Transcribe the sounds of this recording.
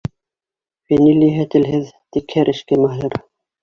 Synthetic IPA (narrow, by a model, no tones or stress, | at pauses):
fæniliɦæt̪ɘ̆lɦɘðt̪ikhæɾʔɘ̆ʃkæmɑɦɤɾ